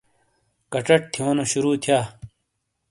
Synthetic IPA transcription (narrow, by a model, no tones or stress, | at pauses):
kɐʈ͡ʂɐʈ̚t̪ʰijoːnoɕuɾuːt̪ʰijaː